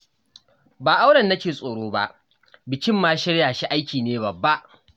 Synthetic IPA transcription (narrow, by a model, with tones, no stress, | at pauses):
baː˨ʔa˦wɽɐ˨nːɐ˦kʲeː˨sʼoː˨ɽoː˦ba̰˦ʔ | bɪ˨kʲɪ˦mːaː˦ʃɪ˦ɽjaː˨ʃi˦ʔa˦jkʲiː˨neː˦bɐ˨bːa˦ʔ